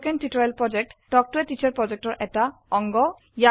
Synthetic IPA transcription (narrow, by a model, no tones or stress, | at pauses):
kentitɔɛlpɹɔd͡ʒek̚tːɔk̚tuetit͡ʃʰaɹpɹɔd͡ʒek̚tɔɹʔɛk̚taɔŋɡɔ | ja